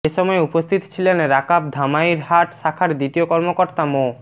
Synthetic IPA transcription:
eʃɔmɔeupost̪ʰit̪o̥t͡ɕʰilenɾakap̚d̪ʱamaiɾɦaʈʃakʰaɾd̪it̪iokɔɾmokoɾt̪amo

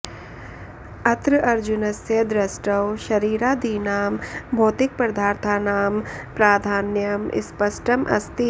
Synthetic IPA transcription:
ɐt̪ɾʔɐɾd͡ʒʊnɐsjəd̪ɾɐsʈɐwʃɐɾiːɾaːd̪iːnaːmbʱoːt̪ɪk̚pɾd̪ʱaːɾt̪ʰaːnaːmpɾaːd̪ʱaːnjɐmɪ̰spɐsʈəmʔɐ̰st̪i

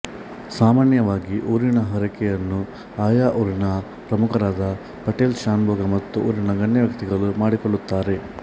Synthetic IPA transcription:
saːmaːnjɐʋaːɡiʔoːɾinɐɦɐɾɐkɛjɐnːu | aːjaːʔoːɾinɐ | pɾɐmukʰɐɾaːd̪ɐ | pɐʈeːlʃaːnbɔːɡɐmɐt̪ːuʔo̰ːɾinɐɡɐɳjɐʋjɐkt̪iɡɐɭumaːɽikɔɭːut̪ːaːɾe̞

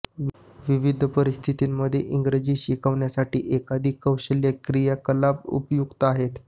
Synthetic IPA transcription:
ʋiʋid̪ʱəpəɾist̪ʰit̪iːmːəd̪ʱjeʔiŋɡɾed͡ʑiːɕikʰəʋɳjasaʈḭːʔekad̪ʱiːkəwɕəljakɾijakəlabṵpjuɡt̪aɦet̪

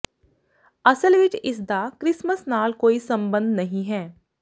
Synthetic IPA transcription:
ɐsəlʋɪt͡ʃɪs̬d̪akɾɪsməsnaːlkoːisɐ̃mbə̃nd̪nɐɦĩɦɛː

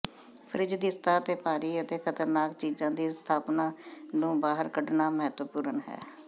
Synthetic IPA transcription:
pʰɾɪd͡ʒd̪ɪst̪aːət̪eːpaːɾiːət̪eːkʰət̪əɾnaːkt͡ʃiːd͡ʒãːd̪iːst̪ʰaːpnãːnũːbaːɦəɾkəɖnaːməɦət̪ʋəpuːɾənɦɛ̰ː

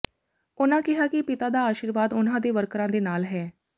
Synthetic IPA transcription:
ʊnãːkɪɦaːkɪpɪt̪aːd̪aːaːʃiːɾʋaːd̪ʊnãːd̪eːʋəɾkɾãːd̪eːnaːlɦɛː

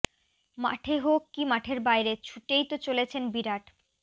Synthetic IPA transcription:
ma̰ʈʰeɦokːimaʈʰeɾbajɾet͡ɕʰuʈejt̪ot͡ɕolet͡ɕʰenbiɾaʈ

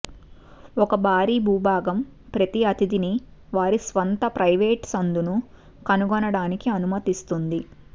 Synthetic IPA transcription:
ɔkɐbʱaːɾiːbʱuːbʱaːɡɐm | pɾɐt̪iɐt̪id̪ini | ʋaːɾisʋɐnt̪ɐpɾʔɐjʋeːʈsɐnd̪unu | kɐnuɡɔnɐɽaːnikiɐnumɐt̪ist̪und̪i

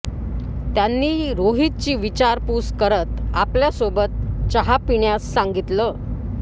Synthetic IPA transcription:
t̪janːiːɾoɦit̪̚t͡ɕiːʋit͡ɕaɾpuːskəɾət̪apljasobət̪̚t͡ɕəɦapiɳjasːaŋɡit̪ləː

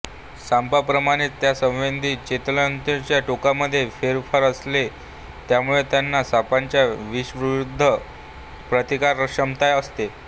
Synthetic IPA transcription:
sampapɾəmaɽ̃it̪ːjasə̃wʋend̪ʱiːt͡ɕet̪lant̪et͡ɕjaʈokaməd̪ʱːjefeɾfəɾəsle | t̪jamuɭet̪janːasapaɲt͡ɕjaʋiɕʋɾud̪ʱːə | pɾət̪ikaɾːəɕəmt̪ajəst̪e

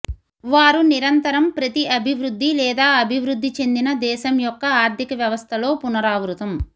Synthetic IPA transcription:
ʋaːɾuniɾɐnt̪ɐɾɐmpɾɐt̪iʔɐbʱiʋɾud̪ʱːilɛːd̪aːɐbʱiʋɾud̪ʱːit͡ʃe̞nd̪inɐd̪ɛːʃɐmjɔkːɐaːɾt̪ikɐʋjɐʋɐst̪ʰɐlo̞ːpunɐɾaːʋɾut̪ɐm

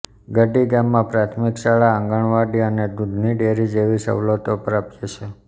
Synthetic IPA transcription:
ɡəɖiɡamːãpɾat̪ʰmikʃaɭaə̃ŋɡəɳʋaɖiəned̪ud̪ʱniɖeɾid͡ʒeʋisə̰ʋlot̪opəɾapjet͡ʃʰe

